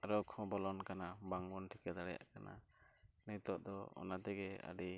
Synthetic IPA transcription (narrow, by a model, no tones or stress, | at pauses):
aɾɔkʰɔ̃bɔlɔnkanabaŋbɔnʈʰikɛd̪aɽɛja̰ʔkana̰nit̪ɔʔd̪ɔɔ̰nat̪ɛɡɛa̰ɖi